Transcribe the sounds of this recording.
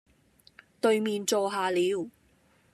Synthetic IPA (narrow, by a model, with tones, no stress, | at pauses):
t̪ɵ˨˧ɥmiː˨˧nt͡sɔː˧ɦaː˨˧liː˨˧˥w